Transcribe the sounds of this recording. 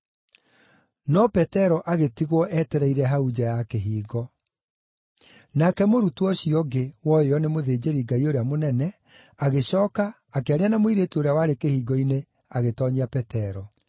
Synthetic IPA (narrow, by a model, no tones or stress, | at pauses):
nɔpɛtɛɾɔʔaɣetiɣwɔʔɛtɛɾɛiɾɛɦaud͡ʑajakeɦiːɡɔ | nakɛmoɾutuɔɕiɔɡewɔeɔnemoðeːd͡ʑeɾiɡaioɾeamonɛnɛ | aɣeɕɔːkaː | keaɾeanamoiɾetoɾeawaɾekehiːɡɔine | aɣetɔɲiapɛtɛɾɔ